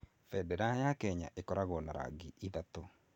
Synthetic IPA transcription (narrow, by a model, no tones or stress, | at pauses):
fɛdɛɾajakɛɲa̰ʔekɔɾaɣɔnaɾa̰ɡiʔiðat̪o